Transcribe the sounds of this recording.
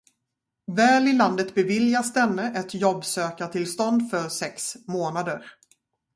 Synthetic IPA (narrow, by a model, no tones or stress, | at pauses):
vɛːlɪland̪ət̪bɛvɪljasd̪ɛnːəʔɛt̪jɔbsøːkat̪ʰɪlst̪ɔnd̪fœɾsɛksmoːnad̪əɾ